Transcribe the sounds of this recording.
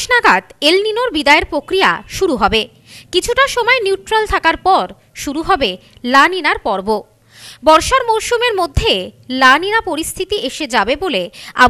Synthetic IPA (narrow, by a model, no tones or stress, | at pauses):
naɡad̪elninoɾbid̪aeɾpɾokɾija̰ʃuɾuɦɔbe | kit͡ɕʰuʈaʃɔmɔeniuʈɾalt̪ʰakaɾpɔɾ | ʃuɾuɦɔbelaninaɾpɔɾbo | bɔɾʃaɾmoɾʃumeɾmod̪ʱːelaninapoɾist̪ʰit̪iʔeʃed͡ʑabebolea̰